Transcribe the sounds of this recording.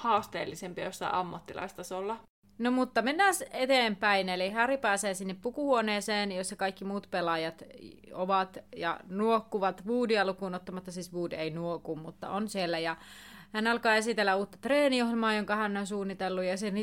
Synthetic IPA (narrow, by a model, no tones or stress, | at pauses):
hɑːst̪ḛːlːisempiɑjosːɑ̰iɑmːɑt̪ːilɑ̰ist̪ɑsolːɑ | nomut̪ːɑmenːæːset̪eːmpæinelihæripæːseːsinːeppukuhuoneːseːnjosːɑkɑikːimuːt̪pelɑjɑt̪oʋɑt̪jɑ̰nuokːuʋɑt̪ʋuːdiɑlukuːnot̪ːɑmɑt̪ːɑsiːsʋuːdeinuokummut̪ːɑ̰onsielːæjɑ | hænɑlkɑːesit̪elːæuːt̪ːɑ̥t̪reːnijoɦlmɑːjoŋkɑhænːonsuːnːit̪elːujɑseni